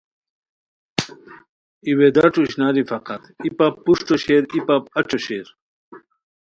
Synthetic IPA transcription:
iwed̪aʈ͡ʂuɕnaːɾifɐqɐt̪ipapːuʂʈoɕeɾipap̚ɐʈ͡ʂoɕeːɾ

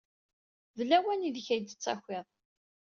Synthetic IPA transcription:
ðlːæwæniðçæjd̪ət͡sːæ̰xʷɪðˤ

